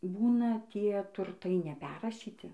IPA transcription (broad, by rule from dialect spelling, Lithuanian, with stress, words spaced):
ˈbuːnɐ ˈtʲiɛ tʊrˈtɐɪ nʲɛˈpʲɛrrɐʃʲiːtʲɪ